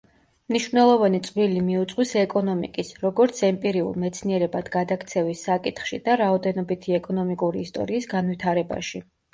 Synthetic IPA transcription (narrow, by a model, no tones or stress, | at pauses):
mniʃvnɛlˠɔvanit̪sʼvilimiut̪sʼqʼwisɛkʼɔnɔmḭkʼisɾɔɡɔɾt̪sʰɛmpʼiɾiṵlˠmɛt̪sʰniɛɾɛbad̪ɡad̪akt̪sʰɛvisːakʼit̪χʃid̪aɾaɔd̪ɛnɔbit̪ʰiɛkʼɔnɔmikʼuɾiːst̪ʼɔ̰ɾiːsɡanvit̪ʰaɾɛba̰ʃi